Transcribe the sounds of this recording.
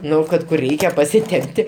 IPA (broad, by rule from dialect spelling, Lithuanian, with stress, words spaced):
ˈnʊ ˈkɐt kʊr ˈrʲɛɪkʲɛ pɐsʲɪˈtʲɛmʲpʲtʲɪ